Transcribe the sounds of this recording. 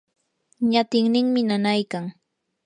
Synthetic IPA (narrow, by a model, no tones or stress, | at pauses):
ɲat̪ɪŋnɪŋmɪnanajkaŋ